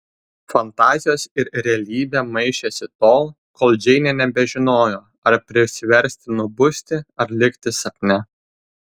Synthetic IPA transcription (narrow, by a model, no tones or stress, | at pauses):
fɐnt̪ɑːzʲɪjoːsɪɾɾʲɛɐlʲiːbʲɛmɐɪʃʲɛsʲɪt̪oːlˠ | koːlˠd͡ʒʲɛɪnʲɛnʲɛbʲɛʒʲɪnoːjoː | ɐɾpʲɾʲɪʃsʲɪʋʲɛɾʲsʲt̪ʲɪnʊbʊsʲt̪ʲɪɐɾlʲɪkʲt̪ʲɪsɐkʲnʲɛ